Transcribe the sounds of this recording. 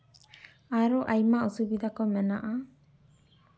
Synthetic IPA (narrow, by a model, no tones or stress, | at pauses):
aɾɔʔajmausubid̪akɔmɛnaʔa